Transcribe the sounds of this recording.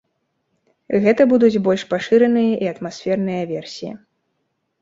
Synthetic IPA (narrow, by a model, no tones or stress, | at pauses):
ɣɛt̪ɐbud̪ud͡zʲbɔlʲʂpaʂɨɾɐnɨjɐʔiɐt̪masʲfʲɛrnɨjɐvʲɛrsʲijḭ